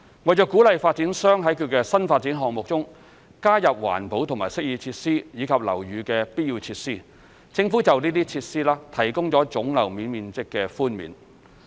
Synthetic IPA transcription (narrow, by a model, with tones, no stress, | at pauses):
wɐ˨j̚t͡ʃœː˧˥kːuː˨˥lɐ˨jfaː˧t̚t͡siː˨˥nsœː˥ŋɦɐ˨˥jkʰy˧t̚kɛː˧sɐ˥nfaː˧t̚t͡siː˨˥nɦɔː˨ŋmʊ˨k̚t͡sʊ˥ŋ | kaː˥jɐ˨p̚wa̰ː˨˩npo˨˥wt̪ʰʊ˨˩ŋmaː˨˩jsɪ˥k̚jiː˧t͡sʰiː˧t̚siː˥jiː˨˧kʰɐ˨p̚lɐ˨˩wjyː˨˧kɛː˧pi˥t̚ji˧wt͡sʰiː˧t̚siː˥ | t͡sɪ˧ŋfuː˨˥t͡sɐ˨wniː˥t̪iː˥t͡sʰiː˧tsiː˥laː˥t̪ʰɐ˨˩jkʊ˥ŋt͡sɔː˨˥t͡sʊ˨˥ŋlɐ˨˩wmiː˨nmiː˨˧nt͡sɪ˥kːɛː˧fuː˥nmḭː˨˥n